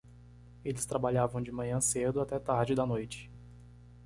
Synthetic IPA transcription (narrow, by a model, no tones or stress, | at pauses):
elɪst̪ɾabaʎavɐ̃w̃d͡ʒɪmɐ̃ɲɐ̃sed̪ʊat̪ɛt̪aɾd͡ʒɪd̪ɐnojt͡ʃɪ̥